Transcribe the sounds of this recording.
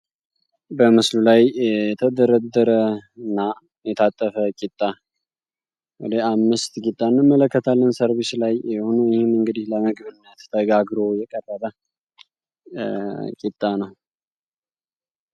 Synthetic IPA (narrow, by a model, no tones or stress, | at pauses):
bəmɨslulajɛt̪ʰəd̪əɾəd̪əɾəɨnːa | jɛt̪ʰat̪ʼːəfəkʼit̪ʼːa | wɔd̪əamːɨst̪kʼit̪ʼːanːɨmːələkːət̪ʰalːənsəɾβɪslajɛhonujɪhɪmɨŋɡɨd̪ɪhləmɨɡbɨnːət̪ʰːəɡaɡɾo̞jɛkʼərːəbə | kʼit̪ʼːanəw